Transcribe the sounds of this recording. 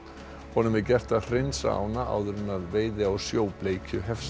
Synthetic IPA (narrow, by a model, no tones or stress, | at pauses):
hɔnʏmɛcɛr̥t̪ar̥ensa̰ːwnaʔa̰ːwðʏɾɪnaðveːjðɪawsjoːwpleːjcʰʏɦɛfs